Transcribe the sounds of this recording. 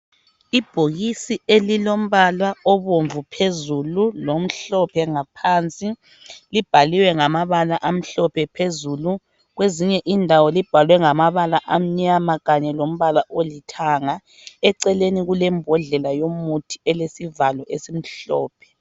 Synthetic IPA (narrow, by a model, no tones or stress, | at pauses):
ib̥ʱoɣisielilom̩βalwaɔβoɱvupʰezululom̩ɬɔpʰɛŋapʰant͡sʼi | lib̥ʱaliwɛŋamaβalaʔam̩ɬɔpʰɛpʰezulu | ɣweziɲɛʔindʱawɔlib̥ʱalwɛŋamaβalaʔam̩ɲamaɣaɲɛlom̩βalaʔolitʰaŋa | ɛǀɛleniɣulɛmbʱɔɮɛlajomutʰi̥ɛlesivalɔʔesim̩ɬɔ̰ːpʰɛ̥